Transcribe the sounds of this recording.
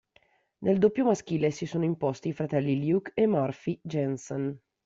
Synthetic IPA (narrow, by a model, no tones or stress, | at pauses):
neld̪opːjomask̟iːlesisoːnoimpost̪iːfɾat̪ɛlːiljukemːɔrfid͡ʒɛnson